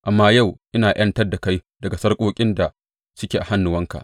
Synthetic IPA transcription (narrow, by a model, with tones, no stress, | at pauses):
ʔa˨mːaː˦ja˦˨wʔɪ˦naː˨ʔj̰ɐ˦ntɐ˦rda˨ka˦jdɐ˨ɡa˨sɐ˦rkʷʼoː˦kʲʼɪ˦nda˨ | sʊ˦kʲeː˨ʔa˨ha˦nːʊ˨wɐ˦ŋka̰˨ʔ